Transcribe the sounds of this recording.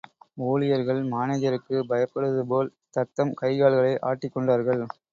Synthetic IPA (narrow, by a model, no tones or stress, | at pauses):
oːlɪjɐɾɣɐɭmaːneːðɐɾɯkːɯbɐjɐpːɐɽɯðɯpoːlt̪ɐt̪ːɐmkɐɪɣaːɭɣɐɭɐɪʔa̰ːʈːɪkːɔɳɖaːɾɣɐɭ